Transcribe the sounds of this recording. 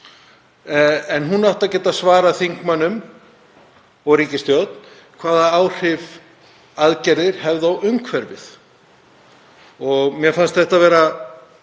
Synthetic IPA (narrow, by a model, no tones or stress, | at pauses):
ɛnɦunawht̪aðcɛːt̪asvaːɾaθiŋkmanːʏm | ɔɣɾiːcɪst̪jowt̪̚n̥ | kʰv̥aːðaaːwr̥ɪv | aðcɛɾðɪɾ̥hɛvðawʏŋkʰvɛɾvɪ̰θ | ɔɣmjɛfanst̪θɛht̪avɛːɾa